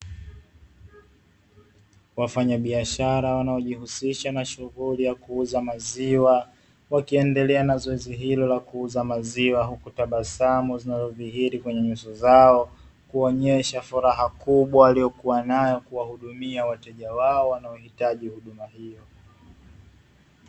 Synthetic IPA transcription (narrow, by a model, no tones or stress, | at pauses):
wafaɲaɓiaʃaɾawanaɔʄihusiʃanaʃuɣulijakuuzamaziwa | wakiɛndɛlɛanazɔɛziɦilɔlakuuzamaziwaɦukutaɓasamɔzinazɔvihiɾikwɛɲɛɲusɔzaɔ | kuɔɲɛʃafuɾaɦakuɓwaalijɔkuwanajɔkuwahuɗumiawatɛʄawaɔwanaɔhitaʄihuɗumahijɔ